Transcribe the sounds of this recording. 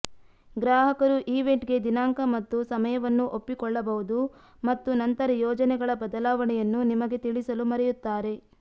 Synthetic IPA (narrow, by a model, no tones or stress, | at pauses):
ɡɾaːɦɐkɐɾuʔiːʋe̞ɳʈɡe̞d̪inaːŋkɐmɐt̪ːusɐmɐjɐʋɐnːuʔopːikɔɭːɐbɐɦud̪u | mɐt̪ːunɐnt̪ɐɾɐjɔːd͡ʒɐnɛɡɐɭɐbɐd̪ɐlaːʋɐɳɛjɐnːunimɐɡe̞t̪iɭisɐlumɐɾɛjut̪ːaːɾe̞